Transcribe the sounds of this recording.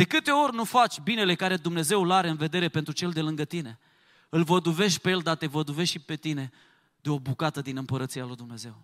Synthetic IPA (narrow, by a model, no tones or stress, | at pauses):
d̪̥e̞kɨt̪e̞o̞rʲnufat͡ʃʲbine̞le̞kaɾe̞d̪umne̞ze̞wlaɾe̞ɨnve̞d̪e̞ɾe̞pe̞nt̪ɾut͡ʃe̞ld̪e̞lɨŋɡət̪ine̞ | ɨlvəd̪uve̞ʃt̪̚ʲpejeld̪at̪e̞vəd̪uve̞ʃipe̞t̪ine̞ | d̪̥eo̞bukat̪əd̪inɨmpəɾət̪sialujd̪umne̞ze̞w